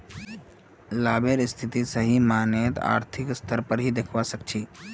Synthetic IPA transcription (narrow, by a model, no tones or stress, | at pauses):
laːbeɾɪst̪ʰɪt̪isəɦimaːnet̪a̰ːɾt̪ʰɪkst̪ʰəɾpəɾɦid̪ekʰʋasək̚t͡ʃʰiː